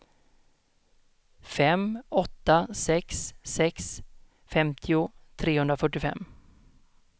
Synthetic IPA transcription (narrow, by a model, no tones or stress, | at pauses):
fɛmɔt̪ːasɛksːɛks | fɛmt̪ʰɪʊt̪ʰɾeːhɵnd̪ɾafœʈːɪfɛ̰mː